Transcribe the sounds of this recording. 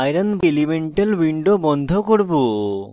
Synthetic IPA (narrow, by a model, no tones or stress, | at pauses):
ajɾanblimeɳʈelwiɳɖobɔnd̪ʱokoɾbo